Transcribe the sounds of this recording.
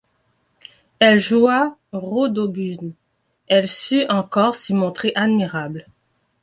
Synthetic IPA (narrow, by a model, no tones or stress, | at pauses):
ɛlʒuaʁod̪obyn | ɛlsyʔɑ̃kɔʁsimɔ̃t̪χeʔad̪miʁabl